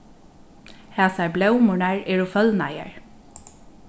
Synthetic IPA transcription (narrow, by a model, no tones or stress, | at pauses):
hæːsaɹblɛwmʊɳaɹɛːɹʊfœðna̰ja̰ɹ